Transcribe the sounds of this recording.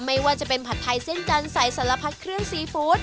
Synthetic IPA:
ma˥˩jwaː˥˩t͡ɕa˨˩pe˧npʰa˨˩t̪ʰːa˧jse˥˩nt͡ɕa˧nsa˨˩˦jsa˩˦la˧pʰa˦˥kʰɾɯ˥˩əŋsiː˧fuː˦˥t̪̚

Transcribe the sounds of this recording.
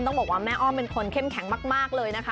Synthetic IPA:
nt̪ɔ˥˩ŋbɔː˨˩waː˥˩mɛː˦˥ʔɔː˦˥˩pe˧nkʰo˧nkʰe˥˩mkʰɛ˩˦ŋmaː˥˩k̚maː˥˩k̚lɤː˧jna˦˥kʰa˦˥

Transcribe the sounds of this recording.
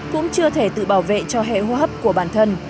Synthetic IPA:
kʊ̰˧˥ŋ͡mt͡ɕɨ˧ət̪ʰe˧˩t̪ɨ̰˧˨ɓaː˧˩wvḛ˧˨t͡ɕɔ˧ɦḛ˧˨ho˧ɦəː˦˥p̚ku˧˩əɓaː˧˩nt̪ʰə˧n

